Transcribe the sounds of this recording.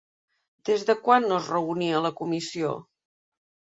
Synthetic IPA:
d̪ezðəkwanːozrəuniələkumisio̰

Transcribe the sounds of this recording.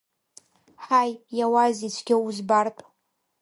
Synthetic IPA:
ħajjawazit͡ʃʷʰɡʲɪuzbartʼ

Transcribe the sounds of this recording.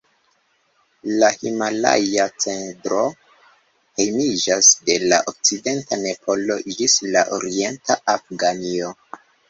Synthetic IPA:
lahimala̰jat͡se̞ndɾo̞ | hejmid͡ʒasde̞laʔok̚t͡side̞ntane̞pʰo̞lo̞ʔid͡ʒislaʔoɾie̞ntaʔafɡanio

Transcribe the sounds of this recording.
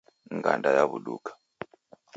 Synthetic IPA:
ŋɡandajaβuɗuːkʰḁ

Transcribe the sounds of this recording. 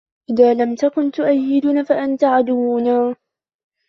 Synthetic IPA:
ʔɪðaːlamt̪akʊnt̪ʊʔajːɪd̪ʊnaːfaʔant̪aʕad̪ʊwnaː

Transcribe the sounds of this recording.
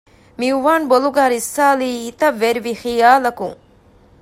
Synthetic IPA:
miuʋaːnboluɡaːɾisːaːliːit̪ɐʋːeɾiʋixijaːlɐkuŋ

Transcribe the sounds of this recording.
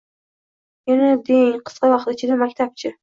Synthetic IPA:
janad̪eŋqʰɨ̥sqɑvɑχt̪ɪt͡ʃʰɪd̪amakʲt̪ʰap̚t͡ʃʰɪ

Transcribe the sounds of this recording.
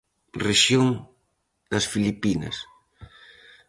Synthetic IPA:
reʃjoŋ | d̪ɐsfilipinɐ̰s

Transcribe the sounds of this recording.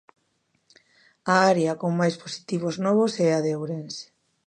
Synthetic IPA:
aaɾeakoŋmajsposi̥t̪iβ̞oznɔβ̞oseaðewɾens

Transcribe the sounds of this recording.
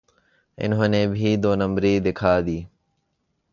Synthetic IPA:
ɪ̰nɦonẽːbʱiːd̪oːnəmbɾiːd̪ɪkʰaːd̪iː

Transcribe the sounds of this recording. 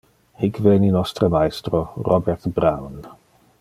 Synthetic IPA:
hikveːninɔstrəmajstrɔrʔɔbɛrt̪bɾawn

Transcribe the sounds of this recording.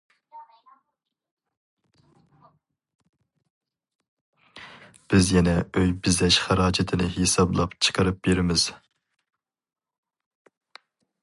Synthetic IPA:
b̥ɪzjɛnɛøjbɪzɛʃχæɾɑːd͡ʒɪt̪ʰɪnɪɦesɑblˠɑpt͡ʃʰə̥qʰəɾɨp̚beɾɪmɪz̥

